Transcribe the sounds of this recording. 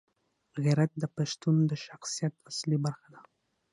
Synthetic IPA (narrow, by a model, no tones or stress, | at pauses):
ɣaɾat̪̚d̪əpaʃt̪und̪əʃaxsijat̪aslibaɾxad̪a